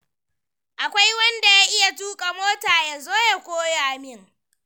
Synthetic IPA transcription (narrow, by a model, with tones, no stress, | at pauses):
ʔa˨kʷa˦jwɐ˦nda˨jaː˦ʔɪ˦ja˨tuː˦kʼa˨moː˦taː˨jaː˨zoː˦ja˨kʷoː˦jaː˨mɪ˦ŋ